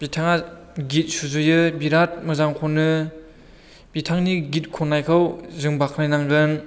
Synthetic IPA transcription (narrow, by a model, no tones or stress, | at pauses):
b̥itʰaŋa | ɡit̚suzɯjɯbiɾat̚mɯzaŋkʰonɯ | b̥itʰaŋniɡit̚kʰɔnːajkʰɯwzɯŋbakʰnajnaŋzɯn